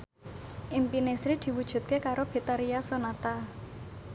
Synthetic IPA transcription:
ʔimpinesɾid̪̥i̤wud̥ʒ̥ṳt̪̚kekaɾob̥e̤t̪aɾiasonat̪a

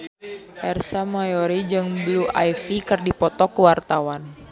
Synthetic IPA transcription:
ʔɛrsamajɔɾid͡ʒɨŋbluʔajfikɨrdipɔt̪ɔkuwart̪awan

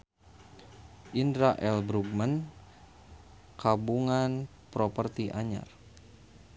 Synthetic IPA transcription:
ʔindɾaʔɛlbɾuɡ̚man | kabuŋan | pɾopərt̪iʔaɲa̰r

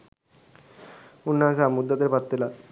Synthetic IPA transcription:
unːasamud̪ːad̪eɾpat̪ːela

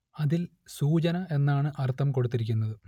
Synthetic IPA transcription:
ɐðil | suːt͡ɕɐnɐe̞nːaːɳɨʔɐrt̪ʰːɐmko̞ɽut̪ːiɾikʲːunːɐðɨ

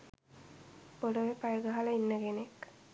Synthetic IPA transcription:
boloʋepajəɡəɦaləinːəɡenek

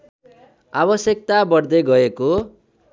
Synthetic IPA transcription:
abʌsjʌk̚t̪abʌrd̪eɡʌeko

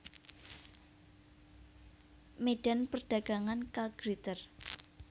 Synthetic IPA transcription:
meɖ̥a̤npərɖ̥ä̤ɡ̥aŋankaɡ̥ɾit̪ər

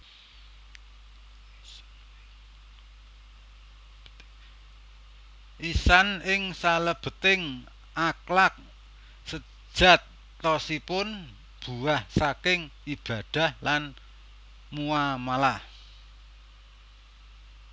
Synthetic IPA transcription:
ʔisanɪŋsaləb̥ə̤t̪ɪŋ | ʔaklak̚ | sə̥ | ʒ̥a̤t̪ː | ɔsipʊn | b̥uahsakɪŋib̥ä̤d̥a̤hlan | muamalah

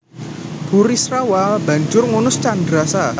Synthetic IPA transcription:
b̥uɾisrawaba̤ɲd͡ʒʊrŋunʊst͡ʃandɾasa

